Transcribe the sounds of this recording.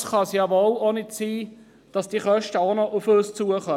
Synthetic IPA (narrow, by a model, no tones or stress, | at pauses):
sχɑsjɑʋolonɪtsiː | d̥ɑsd̥iχœʃtəonɔʔʊføːst͡suəχœ